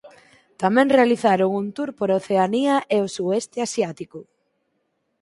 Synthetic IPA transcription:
t̪amɛ̃ŋrealiθaɾʊŋunt̪uɾpoɾoθeaniaʔeosuest̪easjat̪ikʊ

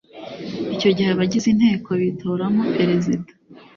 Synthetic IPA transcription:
ico̞ɟiheβaɟizin̥he̞ːkʰo̞βitʰoɾamopeɾezidḁ

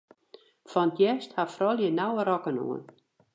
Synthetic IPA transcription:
fɔnətʰjɛsthafrɔlˠjənawəɾɔkənṵən

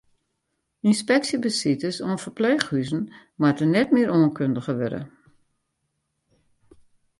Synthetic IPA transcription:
inspɛksibəsitəsoənfərpleːxhyzn̩ | matənɛtmɪəɾoənkʰøndəɣəʋødə̰

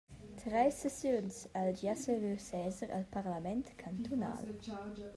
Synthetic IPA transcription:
t̪ɾɛjsɛsjonsald͡ʒasevesɛːzəɾa̰lpaʁlamɛnt̪kʰant̪ʰona̰ːl

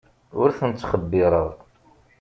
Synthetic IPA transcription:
ʊɾθənt͡sːχəbːɪɾˤəʁ

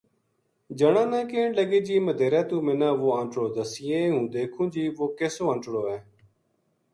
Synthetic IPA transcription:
d͡ʒəɳãːnãːkẽːɳləɡeːd͡ʒiːməd̪ʱeːɾaːt̪ũːmɪnãːʋoːãːɳʈɽoːd̪əsɪjeːɦũːd̪eːkʰũːd͡ʒiːʋoːkeːsoːə̃ːɳʈɽoːɛː

